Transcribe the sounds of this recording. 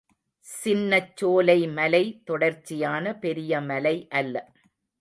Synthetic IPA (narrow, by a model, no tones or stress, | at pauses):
sɪnːɐt͡ʃːoːlɐɪmɐlɐɪt̪ɔɽɐɾt͡ʃːɪjaːnɐpɛɾɪjɐmɐlɐɪʔɐlːɐ